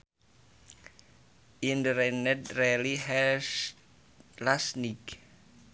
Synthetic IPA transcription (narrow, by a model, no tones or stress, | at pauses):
ʔindəɾɛnɛtrɛliɦɛ | lasnik